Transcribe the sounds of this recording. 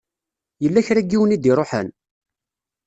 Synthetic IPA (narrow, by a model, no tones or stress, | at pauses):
jəlːæçɾæɡːiwənid̪iɾˤoħə̰n